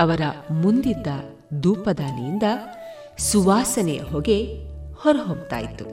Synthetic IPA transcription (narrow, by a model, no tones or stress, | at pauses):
ɐʋɐɾɐmund̪id̪ːɐ | d̪uːpɐd̪aːnijind̪ɐ | suʋaːsɐnɛjɐ̰ɦoːɡe̞hɔɾɐɦompt̪a̰ːjit̪ːu